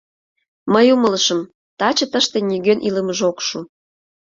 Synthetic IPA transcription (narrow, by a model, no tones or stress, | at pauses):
məjumələʃəm | t̪ɑt͡ɕə̆t̪əʃt̪enʲiɣønʔiləməʒokʃu